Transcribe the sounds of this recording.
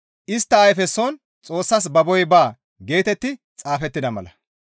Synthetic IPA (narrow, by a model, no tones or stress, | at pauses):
ʔɪst̪ːɐːjfɛsːon | t͡sʼo̞ːsːɐs̬bɐbɔjbaː | ɡe̞ːt̪ɛt̪ːɪ | t͡sʼaːfɛt̪ːɪd̪ɐmɐlɐ